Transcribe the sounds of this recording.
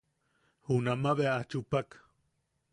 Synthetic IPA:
hunamaβeaat͡ʃupak

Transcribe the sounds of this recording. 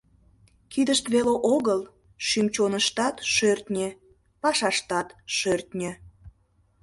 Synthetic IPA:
kid̪əʃt̪βeleʔoɣəl | ʃymt͡ɕonəʃt̪ɑt̪ʃørt̪nʲe | pɑʃɑʃt̪ɑt̪ʃørt̪nʲĕ

